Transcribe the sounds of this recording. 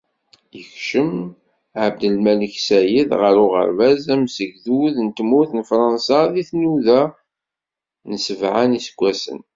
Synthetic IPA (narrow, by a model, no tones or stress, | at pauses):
jəçʃəm | ʕəb̚d̪əlmæliçsæjiðʁəɾʊʁə̰ɾvæzæmsəʝðuðnt̪muθnfɾˤɑnsaðiθnuðæ | nəsəvʕanisəɡʷːæsə̰n